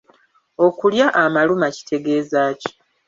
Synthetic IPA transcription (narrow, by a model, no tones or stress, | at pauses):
o̞kuljaʔamalumaci̥tʰe̞ɡe̞ːzaːci̥